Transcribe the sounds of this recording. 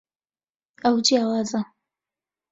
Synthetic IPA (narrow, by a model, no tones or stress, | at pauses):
awd͡ʒiawazʼa